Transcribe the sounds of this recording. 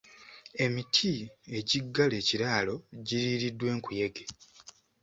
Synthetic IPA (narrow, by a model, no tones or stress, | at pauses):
e̞mitʰie̞ɟiɡːale̞ːciɾaːlo̞ɟiɾiːɾidːwe̞ːŋkuje̞ɡe